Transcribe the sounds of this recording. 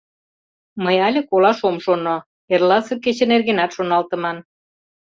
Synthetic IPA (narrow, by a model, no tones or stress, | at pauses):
məjɑlʲekolɑʃomʃono | erlɑsɤket͡ɕĕnerɣenɑt̪ʃonɑlt̪ə̆mɑn